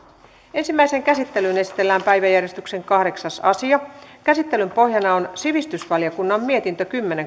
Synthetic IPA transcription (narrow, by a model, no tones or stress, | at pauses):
e̞nsimːæiseŋkæsit̪ːe̞lyne̞si̥t̪e̞lːæːmpæjʋæjærjest̪ykse̞ŋkɑhɾe̞ksɑsɑsiɑkæsit̪ːe̞lympo̞hjɑnɑonsiʋist̪ysʋɑljɑkunːɑmːie̞t̪int̪økymːeneŋ